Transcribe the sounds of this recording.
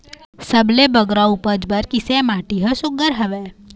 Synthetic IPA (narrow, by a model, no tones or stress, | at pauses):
səblebəɡɾaupəd͡ʒbəɾkɪsemaːʈiɦəʃʊɡəɾɦəʋe